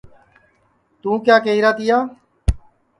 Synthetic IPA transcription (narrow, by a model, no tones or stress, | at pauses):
t̪ũːkjaːkeːiːɾaːt̪ɪjaː